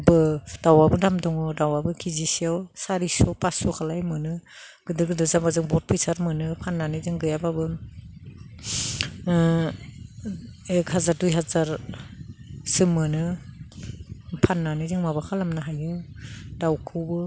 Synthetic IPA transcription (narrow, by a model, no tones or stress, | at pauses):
bɯd̥awabɯdamdɔŋɯdawabɯkʰizisiawsaɾisɔpasɔkʰalajmɯnɯ | ɡ̥ɯdɯɡɯdɯzabazɯŋbɔt̚pʰɯsaɾmɯnɯpʰanːanɯzɯŋɡɯjababɯ | ekhazaɾdujɦazaɾ | sɯmːɯnɯ | pʰanːanɯzɯŋmabakʰalamnaɦajɯdawkʰɯwbɯ